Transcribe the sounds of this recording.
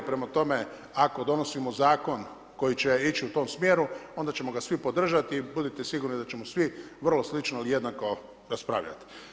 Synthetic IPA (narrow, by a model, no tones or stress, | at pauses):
pɾe̞mat̪o̞me̞ | ako̞d̪o̞nosimozaːko̞n | ko̞jit͡ɕeit͡ʃiut̪o̞ːmsmjeːɾuo̞nd̪at͡ɕe̞mo̞ɡasʋipo̞d̪r̩ʒat̪iːbud̪it̪esiɡuɾnid̪at͡ʃe̞mosʋiʋr̩lo̞slit͡ʃnoilije̞d̪nako̞ | ɾaspɾa̰ːʋʎa̰t̪i̥